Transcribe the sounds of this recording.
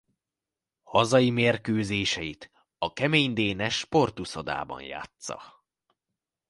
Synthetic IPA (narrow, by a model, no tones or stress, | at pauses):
hɒzɒjimeːrkøːzeːʃɛjit̪ | ɒkɛmeːɲd̪eːnɛʃpo̞rt̪usod̪a̰ːbɒ̰nja̰ːt̪sɒ̰